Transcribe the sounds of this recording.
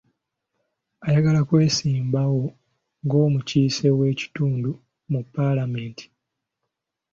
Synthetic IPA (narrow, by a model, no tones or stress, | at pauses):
ajaɡalakwe̞ːsiːmbawo̞ | ŋɡo̞ːmuciːse̞we̞ːci̥tuːndu | mupːalame̞ːnti̥